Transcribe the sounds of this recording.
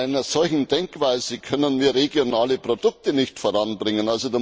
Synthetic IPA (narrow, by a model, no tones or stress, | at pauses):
aɪnɐzɔlçn̩dɛŋkv̥aɪzekʰœnənmiːɐʁeɡjonaːləpʁ̥odʊk̚tənɪçtfoːɐʁɑnbʁɪŋənalzoda